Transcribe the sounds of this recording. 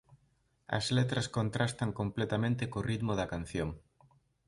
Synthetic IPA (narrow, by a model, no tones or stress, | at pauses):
ɐ̰zlet̪ɾɐskont̪ɾast̪ɐŋkomplet̪amẽnt̪ɪkorit̪mʊðɐkan̟θjoŋ